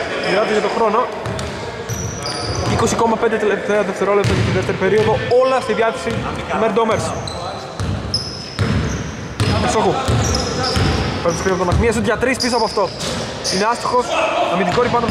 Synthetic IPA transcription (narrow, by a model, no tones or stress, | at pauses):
ðiɐt̪eʝɐt̪oxɾo̞no̞ | iko̞siko̞mɐpend̪et̪elept̪eɐðeft̪e̞ɾo̞lep̚t̪oʝɐt̪inðeft̪eɾipe̞ɾio̞ðo̞olɐst̪iðjɐθesit̪meɾd̪omeɾsi | pisoɣu | pet̪iskɾiɐpot̪oɐθmiɐsuðʝɐt̪ɾispisoɐpoɐft̪o̞ | ineɐst̪i̥xo̞snɐmind̪iɡoɾipɐno